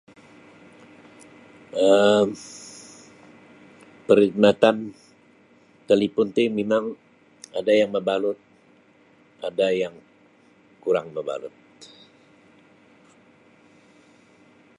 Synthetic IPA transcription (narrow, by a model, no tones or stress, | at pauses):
ə | pəɾik̚mat̪an | t̪əlipunt̪imemaŋ | adajaŋməbalʊt̪̚ | adajaŋ | kuɾaŋməba̰lʊ̰t̪̚